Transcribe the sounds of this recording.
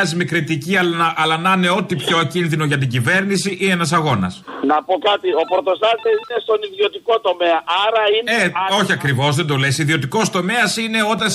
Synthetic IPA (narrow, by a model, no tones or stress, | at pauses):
ɐzimikɾit̪iciɐlɐʔɐlɐnɐne̞o̞t̪ipço̞ecinðino̞ʝɐt̪̬iɟive̞ɾnisiʔienɐsɐɣo̞nɐ̰snɐpo̞kɐt̪io̞pɾot̪o̞st̪ɐzt̪esinest̪o̞niðio̞t̪iko̞t̪o̞me̞ɐʔɐɾɐineo̞çiɐkɾivo̞zðe̞nd̪o̞lesiðio̞t̪iko̞st̪o̞me̞ɐsine̞o̞t̪ɐ